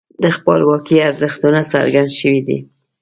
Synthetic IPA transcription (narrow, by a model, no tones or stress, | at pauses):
d̪əxpɑlwɑkiaɾzəxt̪unasa̰ɾɡand̪ʃəwid̪ḭ